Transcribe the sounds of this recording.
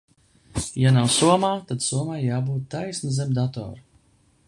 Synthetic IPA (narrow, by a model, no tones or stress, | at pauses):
janawsuɔmaːt̪ad̪suɔmaːjaːbuːt̪̚ːajsnuzemd̪at̪ɔ̰ːɾ